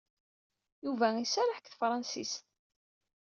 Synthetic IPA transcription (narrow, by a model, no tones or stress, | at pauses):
juvæisæɾəħəkθfɾˤɑnsḭst̪